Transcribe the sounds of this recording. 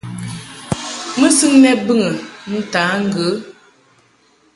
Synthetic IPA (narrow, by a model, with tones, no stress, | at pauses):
mə˦sɨ˦ŋnɛ˦bɨ˦ŋə˨n̩˦taː˨˦ŋ̩˦˨ɡə˨˦